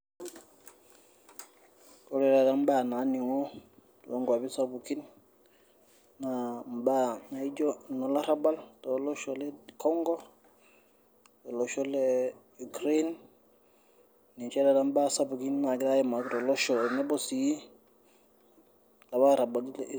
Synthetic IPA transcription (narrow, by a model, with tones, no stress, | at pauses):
kɔ˨ɾɛ˨ɾa˨damba˦˨na˨˦ni˨ŋɔtɔ˦ŋɡa˨bi˦sabuki˦n | namba˦na˨i˦d͡ʒɔnɔ˨la˦ɾaba˦ltɔlɔ˦ʃɔlɛkɔŋɡɔ | tɔ˨lɔʃɔlɛ | ukɾen | ni˨t͡ʃɛ˦ɾa˨da˦mba˦sabuki˦nna˨ɡiɾa˦jɛma˨kɾɔ˨lɔ˦ʃɔ˨nɛ˦bɔ˦si˨ji˦ | la˨ba˦ɾa˨balil